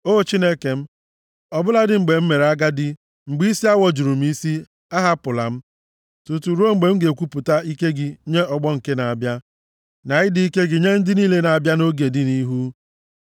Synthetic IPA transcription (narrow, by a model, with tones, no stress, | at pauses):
o˦o˨t͡ʃi˦ne˦ke˨m̩˦ | ɔ˨bʊ˦la˦dɪ˨ŋ͡m̩˨ɡ͡be˨m̩˦me˨ɾa˦ɡa˦dɪ˦ | ŋ͡m̩˨ɡ͡bi˦i˦si˦a˦wɔ˨d͡ʒu˨ɾu˨m̩˦i˦si˦ | a˦ɦa˦pʊ˨la̰˨m̩˦ | tu˨tu˨ɾo˦ŋ͡m̩˨ɡ͡be˨m̩˦ɡe˨kʷu˦pu˨ta˦i˦ke˦ɡɪ˨ɲe˦ɔ˨ɡ͡bɔ˦ŋ̩˨ke˦na˨a˨bja˦ | na˨ɣɪ˦di˨i˦ke˦ɡɪ˨ɲe˦n̩˦dɪ˦niː˦le˦na˨a˨bja˦no˦ɡe˨dɪ˦ni˦ɦu˦